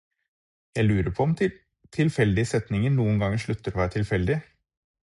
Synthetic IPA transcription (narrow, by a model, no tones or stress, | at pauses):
jæɪlʉːɾəpʰɔɔmʰɪ | t̪ʰɪlfɛld̪ɪəsɛt̪nɪŋənuːənɡɑŋəʂɭʉt̪ːəɾɔʋɑːɾt̪ʰɪlfɛld̪ɪ